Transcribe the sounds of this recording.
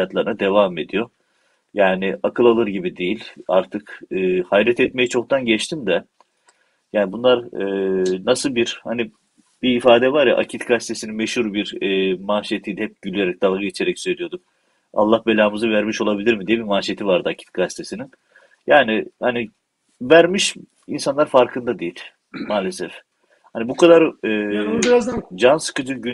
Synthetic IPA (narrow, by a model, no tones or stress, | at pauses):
at̪lˠaɾɯnad̪e̞vame̞d̪ijo̞ | jaːniakʰɯlˠalˠɯɾɟibid̪ejilʲa̰ɾt̪ʰɯkɯːhajɾɛt̪ʰɛt̪me̞jit͡ʃʰo̞k̚t̪ʰanɟɛt͡ʃt̪ʰimd̪ɛ | jaːnbunlˠaɾɯːnasɯlˠbiɾ̥hani | b̥iːfaːd̪ɛvaɾja̰ʔa̰cʰit̪ɡast̪ʰe̞sininmɛʃhuɾbiɾːmaːʃijet̪ʰijd̪ɛhɛp̚ɟylʲjeɾɛc̚d̪̥alˠɡɯit͡ʃʰeɾɛcsø̞jlʲijo̞d̪um | a̰lˠːahbelʲaːmɯzɯvæɾmiʃo̞lˠabilʲiɾmid̪ijɛbimaːʃijet̪ivaɾd̪ɯacʰi̥t̪̚ɡast̪ʰe̞sinin | jaːnihani | væɾmiʃ | ḭnsanlˠaɾfaɾkʰɯnd̪ad̪ejilʲ | maːlʲesɛf | hanibukʰad̪aɾɯː | d͡ʒansɯ̥kɯd͡ʒɯɟy